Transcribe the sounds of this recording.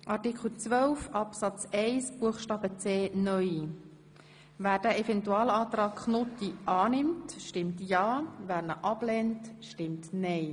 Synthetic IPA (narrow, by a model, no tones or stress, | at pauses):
ʔɑrtɪkʰl̩t͡sʋœlfɑpsɑt͡sɛɪsb̥uəχʃtɑːbət͡seːnœji | væːɾd̥æʔɛfɛntuɑːlɑːtɾɑːkχnʊtiʔɑːnɪmtʃtɪmtjɑːʋæːɾnəʔɑb̥lɛntʃtɪmtnɛɪ